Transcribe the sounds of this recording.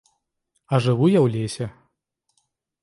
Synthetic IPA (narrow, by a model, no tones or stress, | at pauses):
ɐʐɨvujawlʲesʲɛ